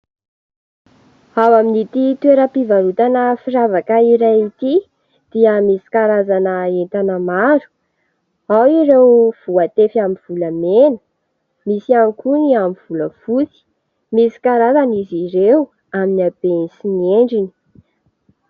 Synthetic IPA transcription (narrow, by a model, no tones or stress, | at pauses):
awaminit̪it̪weɾəpivaɾut̪anəfiɾavakaiɾajit̪i | d̪̥iəmisi̥kaɾazanəent̪anəmaɾu̥ | awiɾewv̥uat̪efaminv̥uləmenə̥ | misiamkuniamiv̥uləfut͡si̥ | misi̥kaɾazaniziɾew | aminiabensinieɳɖ͡ʐini̥